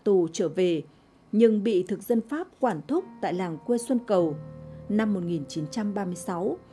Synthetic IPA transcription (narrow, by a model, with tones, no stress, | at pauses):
t̪u˨˩t͡ɕəː˧˩ve˨˩ | ɲɨ˧ŋɓḭ˧˨t̪ʰɨ˨˩k̚zə˧nfaː˦˥p̚kwaː˧˩nt̪ʰʊ˦˥k͡p̚t̪a̰ː˧˨jlaː˨˩ŋkwe˧swə˧nkə˨˩wna˧mːo˨˩t̚ŋi˨˩nt͡ɕi˨˦nt͡ɕa˧mɓaː˧mɨ˧əjsa˨˦w